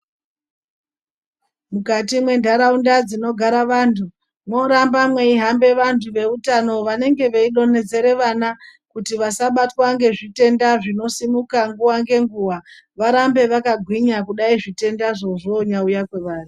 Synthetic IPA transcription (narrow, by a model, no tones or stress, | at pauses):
mukatimwe̞ndʱaɾaundad͡zino̞ɡʱaɾaʋaːntʰu | mwo̞ɾambamweiɦambe̞ʋantʰuʋe̞utano̞ʋane̞ŋɡe̞ʋeiɗo̞ne̞d͡ze̞ɾe̞ʋanakutiʋasaɓatwaŋɡe̞ʐite̞ndaʐino̞simukaŋɡuwaŋɡe̞ŋɡuwa | ʋaɾambe̞ʋakaɡʱwiɲakuɗaiʐite̞ndaʐo̞ʐoɲaujakwe̞ʋaːri